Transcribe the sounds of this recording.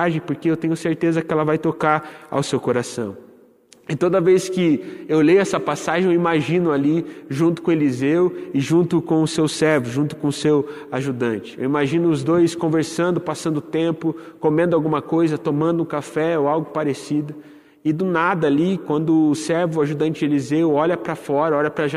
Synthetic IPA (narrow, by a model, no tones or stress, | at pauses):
aʒẽj̃poɾkeewt̪ẽɲʊseɾt̪ezɐkɪɛlɐvajt̪okaɾa̰wsewkoɾasɐ̰̃w̃ | ɪt̪od̪ɐveskɪewlejʊɛsɐpasaʒẽewimaʒĩnʊaliʒũnt̪ʊ̥kõelizewʊɪʒũnt̪ʊkõʊsewsɛɾvʊʒũnt̪ʊ̥kõʊsew | aʒud̪ɐ̃nt͡ʃɪ̥ḛwimaʒĩnʊːzd̪ojskõveɾsɐ̃nd̪ʊpasɐ̃nd̪ʊʊt̪ẽmpʊkomẽnd̪ʊawɡũmɐkojzɐt̪omɐ̃nd̪ʊũkafɛoawɡʊpaɾesid̪ʊ | ɪd̪ʊnad̪ɐalikwɐ̃nd̪ʊːsɛɾvʊaʒud̪ɐ̃nt͡ʃɪelizewɔʎɐpɾɐfɔɾɐɔʎɐpɾɐʒa